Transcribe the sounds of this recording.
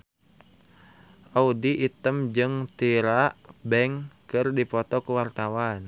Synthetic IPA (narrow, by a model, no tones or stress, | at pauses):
ʔaudiʔːt̪əmd͡ʒɨŋt̪iɾaʔbɛŋkɨrdipɔt̪ɔkuwart̪awan